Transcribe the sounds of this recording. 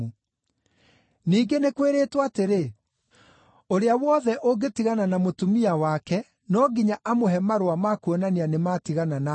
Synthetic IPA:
u | niːɡenekweɾeːtwaːteɾe | oɾeawɔðɛʔoɡetiɣananamotumiawakɛ | nɔːɡiɲaʔamoɦɛmaɾowamakuɔnanianematiɣanana

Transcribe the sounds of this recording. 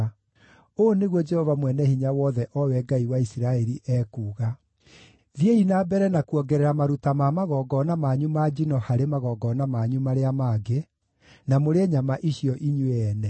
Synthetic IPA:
oneɣwɔd͡ʒɛhɔvamwɛnɛhiɲawɔðɛʔɔwɛɡaiwaisiɾaɛɾiʔɛːkuːɣa | ðjeinabɛɾɛnakuɔɡɛɾɛɾamaɾutamamaɣɔɡɔnamaɲumad͡ʒinɔhaɾemaɣɔɡɔnamaɲumaɾeamaːɡe | namoɾeɛɲamaʔiɕiɔʔiɲweɛnɛ

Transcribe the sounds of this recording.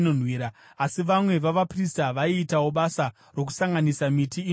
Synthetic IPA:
non̤wiːɾaː | siʋamwe̞ʋaʋapristaʋaiːtawo̞ɓasa | ro̞ku̥saŋɡanisamiti

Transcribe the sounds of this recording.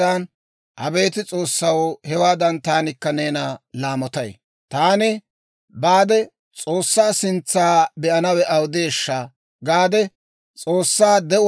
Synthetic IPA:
ɐn | hɐ̰be̞ːt̪ɪt͡sʼo̞ːsːɐwhɛwaːd̪ɐnt̪aːnɪkːɐneːnalaːmɔt̪ɐj̰ | t̪aːnɪ | baːd̪ɛ | t͡sʼoːsːaːsɪnt͡sːaːbɛʔɐnɐwɛʔɐwd̪eːʃːaː | ɡaːd̪ɛ | t͡sʼo̞ːsːaːd̪ɛʔ

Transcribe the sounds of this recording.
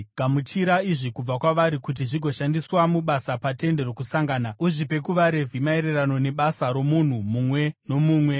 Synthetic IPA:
ɡamutʰiɾaiʐikub͡vakwaʋaɾikut̬iʐiɡʱo̞ʃandiswamuɓasapate̞nde̞ro̞kusaŋɡaːnauʐipe̞kuʋaɾe̞vʱimaeɾerano̞ne̞ɓasaɾo̞mun̤umuːmwe̞no̞muːmwe̞

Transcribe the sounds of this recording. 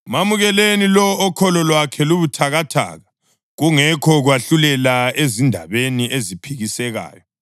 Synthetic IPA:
mamuɣɛlenilɔːkʰɔlɔlwakʰɛluβutʰaɣatʰa̰ːɣa | ɣuŋɛkʰɔɣwaɬulɛlaezindʱa̰βeniʔezipʰiɣisɛɣa̰ːjɔ

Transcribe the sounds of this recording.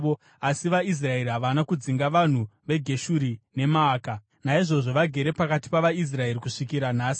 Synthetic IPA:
o | asiʋais̬rae̞ɾiɦaʋanakud͡ziŋɡaʋan̤uʋe̞ɡʱe̞ʃuɾine̞maːka | naiʐo̞ʐo̞ʋaɡʱe̞ɾe̞pakati̥paʋais̬rae̞ɾikuʂikiɾan̤aːsi̥

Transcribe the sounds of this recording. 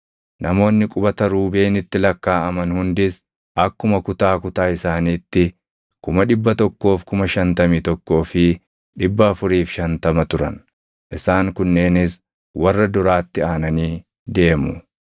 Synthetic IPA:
nɐmo̞ːnːɪkʼʊbɐt̪ɐɾuːbe̞ːnɪt̪ːɪlɐkːaːɐmɐnhʊnd̪ɪs | ʔɐkːʊmɐkʊt̪aːkʊt̪aːɪsaːniːt̪ːɪ | kʊmɐᶑɪbːɐt̪ɔkːo̞ːfkʊmɐʃɐnt̪ɐmiːt̪ɔkːo̞ːfɪ | ᶑɪbːɐɐfʊɾiːfʃɐnt̪ɐmɐt̪ʊɾɐ̰n | ʔɪsaːŋkʊnːe̞ːnɪs | wɐrːɐd̪ʊɾaːt̪ːɪaːnɐniː | d̪e̞ːmʊ

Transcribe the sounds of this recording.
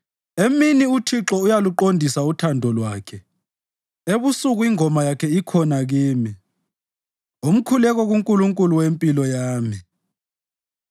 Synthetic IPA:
eminiutʰiǁɔujaluǃondʱisautʰandʱɔlwaːkʰɛ | eβusuɣuiŋʱɔmajakʰɛikʰɔnaɣiːmi | om̩kʰulɛɣ̬ɔɣuŋkʼuluŋkʼuluwempʼilɔjaːmi

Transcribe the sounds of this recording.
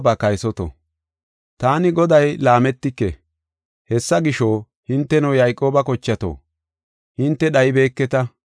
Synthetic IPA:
bɐkɐjsɔt̪ɔ̰ | t̪aːnɪɡɔd̪ɐjlaːmɛt̪ːɪkːɛ̰ | hɛsːɐɡɪʃoː | hɪnt̪ːɛnɐwjɐjkʼo̞ːbɐkɔt͡ʃːɐt̪o̰ː | hɪnt̪ːɛɗɐjbe̞ːkːɛt̪ɐ

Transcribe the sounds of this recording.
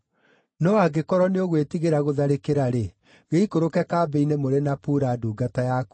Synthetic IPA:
nɔaɡekɔɾɔneoɣwetiɣeɾaɣoðaɾekeɾaɾe | ɣeikoɾokɛkaːbɛinemoɾenapuɾaduːɡatajaku̥

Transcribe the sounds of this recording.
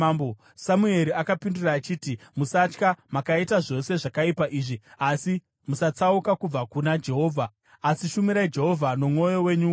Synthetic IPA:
bo | samue̞ɾiakapinduraːt͡ʃiːtimusat͡ʃkamakaitaʐo̞se̞ʐakaipaʔiːʐiasi | musat͡saukakub͡vakunad͡ʒe̞ɦo̞ːvʱaː | siʃumiɾaid͡ʒe̞ɦo̞vʱano̞mŋo̞jo̞we̞ɲu

